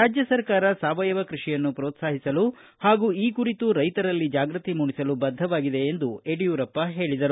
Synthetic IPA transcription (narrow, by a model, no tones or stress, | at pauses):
aːd͡ʒjɐsɐɾkaːɾɐsaːʋɐjɐʋɐkɾuʂijɐnːupɾoːt̪saːɦisɐlu | haːɡuiːkuɾit̪uɾɐjt̪ɐɾɐlːid͡ʒaːɡɾɐt̪imuɳisɐlubɐd̪ʱɐʋaːɡid̪e̞ːnd̪ueɽijuːɾɐpːɐɦe̞ːɭid̪ɐɾu